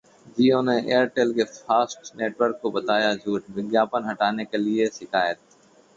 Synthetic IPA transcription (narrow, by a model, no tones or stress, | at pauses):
d͡ʒiːõneʔeːəɾʈeːlkefaːsʈneːʈʋəɾkːobɐt̪aːjad͡ʒuːʈ̚bɪɡjaːpənɦɐʈaːnekelieʃɪkaːjət̪̚